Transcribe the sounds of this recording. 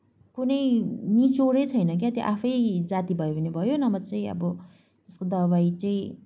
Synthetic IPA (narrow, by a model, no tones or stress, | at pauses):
kunʌjnit͡soɾʌjt͡sʰʌjnʌk̬jat̪jo̰ʔapʰʌjd͡zat̪ibʱʌjobʱʌnebʱʌjonʌbʌt͡sãĩʌ̰bʌ | t̪eskod̪ʌβajt͡saĩ